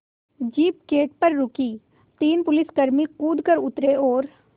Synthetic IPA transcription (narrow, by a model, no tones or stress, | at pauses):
d͡ʒiːp̚keːʈ̚pəɾːʊkiː | t̪iːnpʊlɪskəɾmikuːd̪kəɾʊt̪ɾeoːɾ